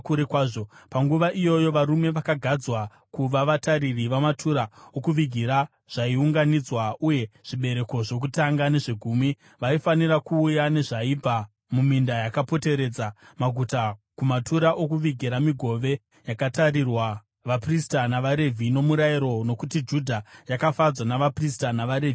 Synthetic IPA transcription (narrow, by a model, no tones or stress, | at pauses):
kuɾekwaːʐopaŋɡuʋaʔijo̞jo̞ʋaɾume̞ʋakaɡʱad͡zwa | kuʋaʋataririʋamatʰuɾaokuʋiɡʱiɾa | ʐ̥aiuŋɡanid͡zwauje̞ʐ̥iɓe̞ɾe̞ko̞ʐo̞k̬utaŋɡane̞ʐe̞ɡʱuːmi | ʋaifanirakuːjane̞ʐaib͡vʱa | mumindajakapo̞te̞ɾe̞ːd͡zamaɡʱutakumatuɾaʔo̞kuʋiɡʱiɾamiɡʱo̞ʋe̞ | jakataɾirwa | ʋapristanaʋaɾe̞vʱino̞muɾaiɾo̞no̞kutid͡ʒudʱajakafad͡zwanaʋapristanaʋaɾevi